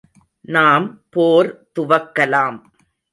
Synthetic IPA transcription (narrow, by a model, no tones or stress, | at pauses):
naːmpoːɾt̪ʊʋɐkːɐlaːm